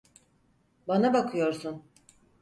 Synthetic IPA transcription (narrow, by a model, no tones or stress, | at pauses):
banabakʰɯjo̞ɾsun